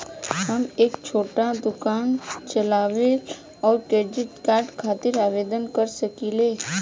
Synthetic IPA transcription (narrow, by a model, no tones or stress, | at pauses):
ɦəmeːkt͡ʃʰoːʈad̪ʊkaːnt͡ʃəlaːʋe | ɔːɾʈeːd͡ʒɪʈkaːɾɖkʰaːt̪ɪɾaːʋeːd̪ənkəɾsəkileː